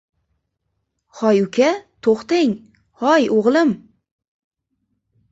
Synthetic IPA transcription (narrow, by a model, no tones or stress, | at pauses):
hɒjʊkʲat̪ʰoχt̪eŋ | hɒjoʁlˠɪm